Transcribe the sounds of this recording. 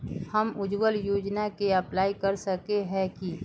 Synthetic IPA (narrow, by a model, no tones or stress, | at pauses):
həmʊd͡ʒʋəljoːd͡ʒnakeɐplaːikəɾsəkeɦɛ̃ki